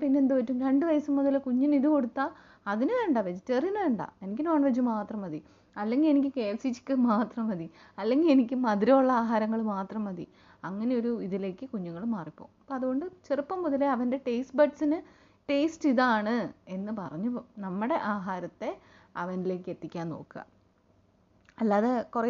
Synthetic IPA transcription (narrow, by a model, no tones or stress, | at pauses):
pinːeːnd̪upɐtːumɾe̞ɳɖɨʋɐjɐsumːuðɐlkuɲːuniðuko̞ɽut̪ːaː | ɐðinɨʋeɳɖaʋed͡ʑitːɐrinɨʋeɳɖa̰e̞nikʲːɨno̞ːɳʋɐd͡ʑːumaːt̪rɐmɐði | ɐlːe̞ŋɡile̞nikʲːɨke̞ːlsit͡ɕːi̥kʲːɨmaːt̪rɐmʋɐði | ɐlːe̞ŋɡilenikʲːɨmɐðiɾɐuɭːɐaːɦaːɾɐŋːɐɭmaːt̪rɐmɐðḭ | ɐŋːɐne̞o̞ɾuiðile̞ːkʲːɨkuɲːuŋːɐɭmaːripːoːpːoːɐðuɣo̞ɳɖɨt͡ɕerɨpːɐmːuðɐleɐʋɐnde̞ʈejsʈbɐʈsinɨ | ʈe̞ːsʈiðaːɳɨe̞nːɨpɐrɐɲːunɐmːuɽe̞ʔaːɦaːɾɐt̪ːe̞ | ɐʋɐnile̞ːk̬ːɨe̞t̪ːikʲːaːno̞̰ːkːɨɣɐ̰ | ɐlːaːðekurɐ